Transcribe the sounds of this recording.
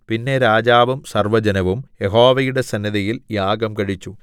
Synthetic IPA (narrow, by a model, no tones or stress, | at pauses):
pinːe̞ɾaːd͡ʑaːʋumsɐrʋɐd͡ʑɐnɐʋumjeɦo̞ːʋɐjuɽe̞sɐnjɐðɐjiljaːɡɐmkɐɻit͡ɕːu